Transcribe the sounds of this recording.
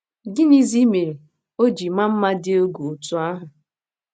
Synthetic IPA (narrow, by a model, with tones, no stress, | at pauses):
ɡɪ˦ni˦zi˦me˨ɾi˨ | o˦d͡ʒi˨ma˦m̩˦ma˦dɪ˦o˦ɡu˨u˨tu˦a˦ɦʊ˨